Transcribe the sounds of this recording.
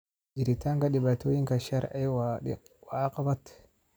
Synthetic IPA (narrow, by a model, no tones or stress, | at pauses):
d͡ʒiɾitaŋɡaɗibatujiŋkaʃaɾa̰wa | waːqabat